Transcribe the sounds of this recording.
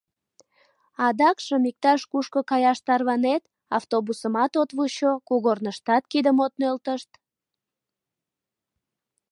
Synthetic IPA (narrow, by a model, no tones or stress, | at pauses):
ɑd̪ɑkʃəmik̚t̪ɑʃkuʃkəkɑjɑʃt̪ɑrβɑnet̪ | ɑft̪obusəmɑt̪ot̪βuɕokuɣornəʃt̪ɑt̪kid̪əmot̪̚nølt̪əʃt̪